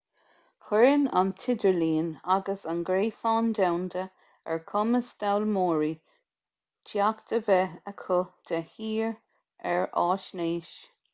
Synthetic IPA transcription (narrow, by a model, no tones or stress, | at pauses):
xɛɹəna̰nt̪ʰɪdəɹliːnaɡəsanɡɾeːsɑːnd̪awnd̪ə | ɛ̰ɹkʰʊməsd̪̥awlmoːɹi | tʰjakt̪əvɛəkʰʊd̪̥ʰɛhiːɹ | ɛɹɑːʃneːʃ